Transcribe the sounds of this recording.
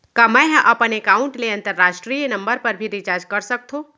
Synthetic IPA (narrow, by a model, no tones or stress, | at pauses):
kɐməɦʔɐpənekaːʊ̃ɳʈleɐ̃nt̪əɾːaːʃʈɾiːjnɐ̃mbəɾpɐɾbʱiɾit͡ʃaːɾd͡ʒkɐɾsɐk̚t̪ʰõː